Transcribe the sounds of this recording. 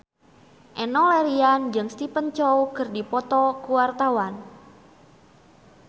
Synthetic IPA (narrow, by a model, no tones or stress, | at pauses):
ʔɛnɔleɾiand͡ʒɨŋst̪ipənt͡ʃɔwkərdipɔt̪ɔkuwart̪awan